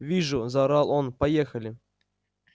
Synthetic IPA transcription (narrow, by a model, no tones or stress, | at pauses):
vʲiʐuzaɾɑlˠonpajexəlʲɪ